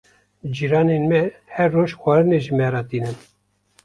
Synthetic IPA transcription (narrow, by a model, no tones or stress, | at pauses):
d͡ʒiɾɑːnenmɛhɛɾːoːʃxʷɑːɾɨneʒɨmɛɾɑːt̪iːnɨn